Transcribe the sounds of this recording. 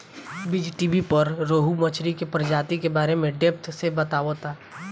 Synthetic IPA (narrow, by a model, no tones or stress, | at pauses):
bɪd͡ʒʈibipɐɾɾoːɦumət͡ʃʰɾikepɾəd͡ʒaːt̪ikebaːɾemẽɖeːp̚t̪sebɐt̪aːot̪aː